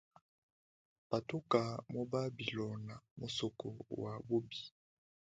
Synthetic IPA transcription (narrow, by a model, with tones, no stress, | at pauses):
pa˨to˦ka˨mo˦ba˦bi˨lɔ˨na˨mo˨sɔ˨kɔ̰˨wa˨bo˦bi˨